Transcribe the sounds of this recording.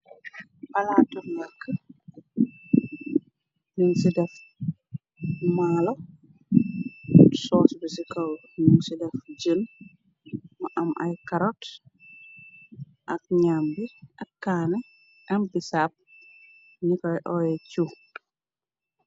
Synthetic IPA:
pɐlaːtumɡakːə | nuŋsidɛf | maːlo | sɔːsbəsikɐw | nuŋsidɛfɟən | mɐʔɐmʔɐ̰jkɐɾɔt | ʔɐk̚ɲambiɐkːaːnɛ | ʔɐmbisap̚ | ɲikɔjʔɔjɛcu

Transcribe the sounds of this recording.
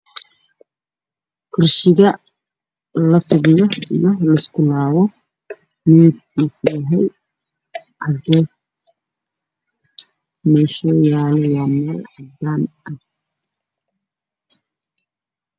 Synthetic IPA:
kʰʊrʃɪɣɐ | lɐfʊβɪjɔijɔlɐɪskʰʊlaːwɔ | miːd̪̚iːslɐɦɛj | ʕɐɡɛːs | mɛːʃɔːjaːlɛwaːmɛːlʕad̪aːnɐ

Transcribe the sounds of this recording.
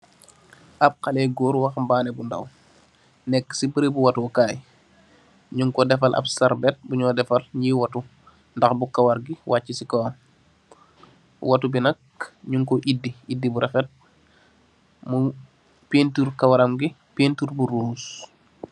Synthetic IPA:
ʔɐb̚xalɛɡɔːɾwɐxmbaːnɛbunda̰w | nɛkːə̥sibəɾebuwɐtuɔkaːj | ɲuŋkɔdɛfalʔɐ̰bsaɾbɛt̚buɲɔːdɛfalɲiːwatu | ndɐxbukawaɾɡiwʔacːisikɔam | watubinɐk | ɲuŋkɔʔidːiidːibuɾʔɛfɛt̚ | mu | peːntuɾkɐwaɾamɡi | pentuɾbuɾuːs

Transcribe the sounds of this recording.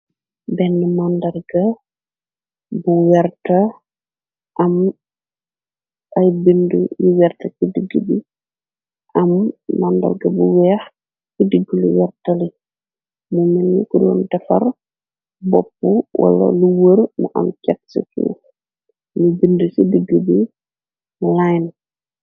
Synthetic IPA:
bɛnːəmandɐlɡɐ | buwɛrtɐ | ʔɐm | ʔɐjbindujiwɛrtɐkidiɡːubi | ʔɐmːandɐ̰lɡɐbuwɛːx | kidiɡːuliwɛrtɐli | muminːikudɔːndɐfɐ̰r | bɔpːuwʔɐ̰lɐ̰luwəɾmuʔɐ̰mcɛt̚sḭtṵ | mubindusidiɡːəbi | lajn

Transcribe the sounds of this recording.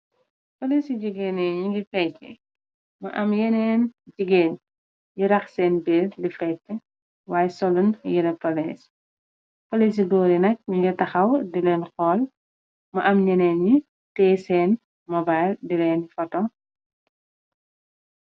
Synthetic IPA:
pɐlisiɟuɡɛːnɛɲuŋɡifɛtːɛ̰ | mɐʔɐmjɛnɛːnɟiɡɛːn | jiɾɐxsɛːnbɛːllifɛtːɛ | waːjɛsɔlunjiɾɛpːɐlɛːs | pɐlis̬iɡɔːɾinɐk̚ɲuŋɡitɐxɐwdilɛːnxɔːl | mɐʔɐmɲɛnɛːnɲi | tɛːsɛːn | mɔbajldilɛːnfɐtɔ

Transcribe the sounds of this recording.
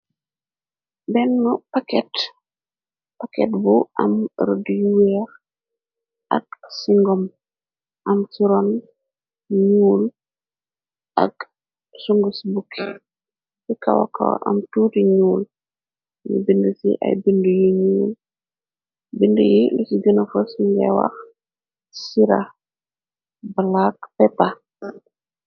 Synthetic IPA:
bɛnːupakɛt | pakɛ̰tbuʔamɾdjuwɛɾ | ʔa̰ksiŋɡɔm | ʔamsiɾɔn | ɲuːl | ʔa̰k | suŋɡusbukʰːi | sikawa̰ka̰w̰ʔa̰mtuːtiɲuːl | nṵbindusḭʔa̰jbindujiɲuːl | bindṵjilusiɡənafɔsiɲɡɛ̰wa̰x | siɾa | balakpɛta

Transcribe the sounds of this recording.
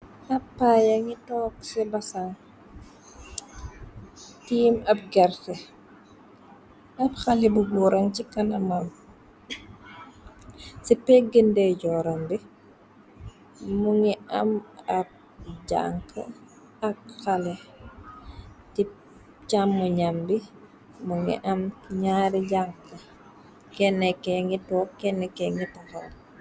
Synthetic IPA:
ɐpːajɐŋitɔːksɛbɐsaŋ | tiːmɐp̚ɡɛrtɛ | nɐpxɐlibubɔːɾɐŋcikɐnɐmɐm | sipɛɡəndɛɟɔːɾɐmbi | muŋiɐ̰mɐp̚ | ɟa̰ŋkʰɐ̰ | ɐk̚xalɛ | ti | camːuɲambi | muŋḭʔɐmɲaɾiɟaŋkɐ | kɛnːɛkɛŋitɔːkɛnːɛkɛŋitɔxɔl

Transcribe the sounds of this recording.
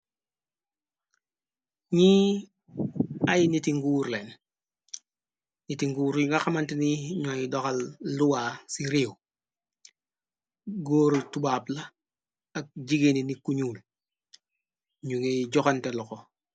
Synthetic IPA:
ɲiː | ajnitiŋɡuːɾlen | nitiŋɡuːɾŋɡaxamantiniɲojidoxalːuwasiɾiw | ɡoːɾtubaːpla | ak̚ɟiɡeninikuɲuːl | ɲuŋeɟɔkantelɔko

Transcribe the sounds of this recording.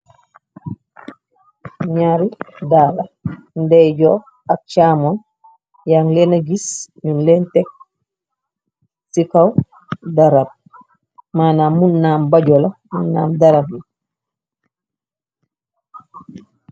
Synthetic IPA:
ɲaɾidaːlandɛjd͡ʒɔ | ak̚t͡ʃamɔn | jaŋlɛnaɡisminlɛntɛk̚ | sikaw | daɾab̚ | manamːunːambad͡ʒɔlamunːaːmdaɾab̚i

